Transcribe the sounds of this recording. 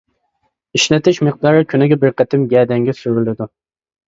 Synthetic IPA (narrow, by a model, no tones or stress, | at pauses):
iʃlɛt̪ʰɪʃmeq̚d̪ɑɾɨkʲʰynɪɡʲɛbɪɾqʰɛt̪ʰɪmɡʲɛːd̪ɛŋɡʲɛsyɾɪlɪd̪u